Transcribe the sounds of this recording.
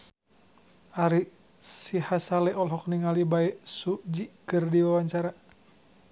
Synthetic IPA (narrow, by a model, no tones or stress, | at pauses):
ʔaɾi | sihasalɛʔɔlɦɔk̚niŋalibaɛsuʔd͡ʒikɨrdiwawaɲt͡ʃaɾa